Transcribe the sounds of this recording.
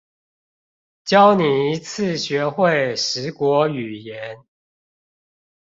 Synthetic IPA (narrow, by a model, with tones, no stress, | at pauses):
t͡ɕjɑ˦ʊni˨˩i˧˦t͡s̩ʰ˥˨ɕɥɛ˨˧˦xwe˥˨ɪʂɻ̩˨˦kwɔ˨˧˥y˨˩jɛ˨˦n